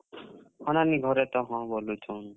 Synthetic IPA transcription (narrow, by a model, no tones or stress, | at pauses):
hʌnaniɡʱʌɾet̪ʌɦʌ̃bʱolut͡sʰʌn